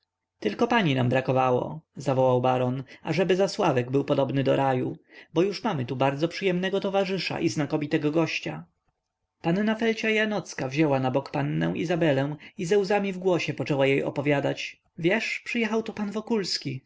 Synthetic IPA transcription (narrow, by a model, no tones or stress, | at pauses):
t̪ɘlkɔpaɲinambɾakɔvawɔ̰zavɔwawbaɾɔnaʐɛbɘzaswavɛɡbɘwpɔd̪ɔbnɘd̪ɔɾʔajubɔjuʂmamɘt̪ubaɾd̪zɔpʂɘjɛmnɛɡɔt̪ɔvaʐɘʂa̰ʔiznakɔvʲit̪ɛɡɔɡɔɕt͡ɕa | panːafɛlt͡ɕajanɔt̪skavʑɛwanabɔkpanːɛ̰̃w̃ʔḭzabɛlɛ̃w̃izɛwzamʲivɡwɔɕɛpɔt͡ʂɛwajejʔɔ̰pɔvʲjad̪at͡ɕ | vʲjɛʂpʂɨjɛxawt̪upanvɔkulskʲi